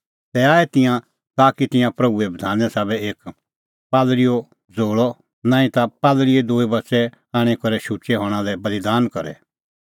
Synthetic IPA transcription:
t̪ɛaːɛt̪ɪ̃jã | t̪aːkit̪ɪ̃jãpɾɐbuɛbɐd̪ʱaːnjɛsaːbɛeːk | paːd̪lɪjɔ | d͡zoːɭɔ | nãːĩt̪apaːd̪lɪed̪uːibɐtsɛ | aːɽ̃ɛkɔɾɛʃut͡ʃɛɦɔ̃ːɽ̃ãlɛbɐlid̪aːnkɐɾɛ̰

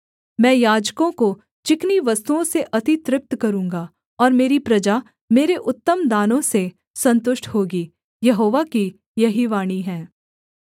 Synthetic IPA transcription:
mɛ̃ːjaːd͡ʒkõko | t͡ʃɪkniʋɐst̪uõseʔɐt̪ɪt̪ɾɪp̚t̪kɐɾũːŋɡa | ɔːɾmeːɾipɾɐd͡ʒa | meːɾeʔʊt̪ːəmd̪aːnõse | sɐ̃nt̪ʊʃʈʰɦoːɡiː | jɐɦoːʋaki | jɐɦiʋaːɽ̃iɦɛ̃ː

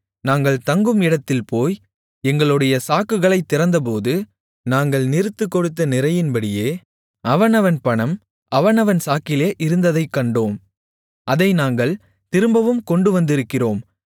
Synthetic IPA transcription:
naːŋɡɐɭt̪ɐŋɡɯmɪɽɐt̪ːɪlpoːj | ɛŋɡɐɭɯɽɐjɐsaːkːɯɣɐɭɐɪt̪ːɪɾɐnd̪ɐp̬oːðɯ | naːŋɡɐɭnɪɾɯt̪ːɯkːɔɽɯt̪ːɐnɪɾɐjɪnbɐɽɪjeː | ɐʋɐnɐʋɐnpɐɳɐm | ɐʋɐnɐʋɐnsaːkɪleːʔɪɾɯnd̪ɐðɐɪkːɐɳɖoːm | ʔɐðɐɪnaːŋɡɐɭ | t̪ɪɾɯmbɐʋɯmkɔɳɖɯʋɐnd̪ɪɾɯkːɪroːm

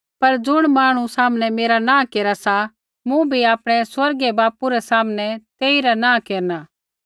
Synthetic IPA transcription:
pɐɾd͡zʊɽ̃maːɽ̃ũsaːmnɛmeːɾanãːkeːɾasa | mũbʱiaːpɽ̃ɛswɐɾɡɛbaːpuɾɛsaːmnɛt̪eːiɾanãːkeːɾnaː

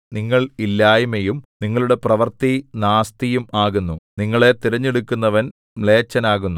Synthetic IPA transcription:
niŋːɐɭilːaːjumejumniŋːɐɭuɽe̞prɐʋɐrt̪inaːst̪ijumaːɣunːuniŋːɐɭe̞t̪iɾɐɲːeɽukʲːunːɐʋɐn | le̞ːt͡ɕːɐnaːɣunːu

